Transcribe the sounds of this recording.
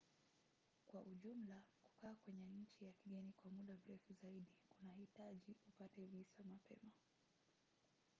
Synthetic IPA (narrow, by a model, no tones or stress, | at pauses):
kwaʔuʄum̩laku̥kaːkwɛɲɛɲ̩t͡ʃijakiɠɛnikwamuɗam̩ɾɛfuzaiɗikunahitaʄiupatɛvisamapɛ̰ma